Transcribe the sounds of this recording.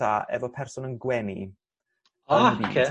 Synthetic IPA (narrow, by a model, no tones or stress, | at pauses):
aɛ̰vɔpʰɛrsʊnənɡwɛnḭ | akʰe